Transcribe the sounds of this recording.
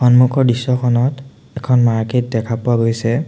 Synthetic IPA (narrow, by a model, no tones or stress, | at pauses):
xɔnmukʰɔɹbisːɔkʰɔnɔt | ɛkʰɔnmaɹket̚dɛkʰapʊwaɡojsɛ